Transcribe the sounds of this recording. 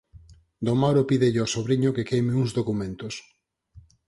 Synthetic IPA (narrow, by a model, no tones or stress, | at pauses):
d̪omawɾopiðeʎɪasoβɾiɲʊkekejmɪuŋzðokumẽnt̪ʊs